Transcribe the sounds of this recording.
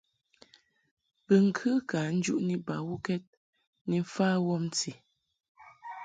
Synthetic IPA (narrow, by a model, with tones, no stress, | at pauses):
bə˨ŋ̩˨kʰɨ˦ka˨n̩˦d͡ʒṵ˦ʔni˦ba˨wu˦kɛ˦t̚ | ni˨˦faː˦wɔ˦m˦t͡si˨